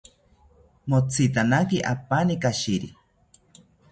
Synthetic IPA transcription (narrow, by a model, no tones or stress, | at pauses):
mot͡sʰit̪anakiʔapanikaʃiɾi